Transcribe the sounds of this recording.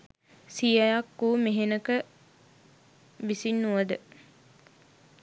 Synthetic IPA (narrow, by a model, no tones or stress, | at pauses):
sijajakːuːmeɦenəkə | ʋisinːuʋəd̪ə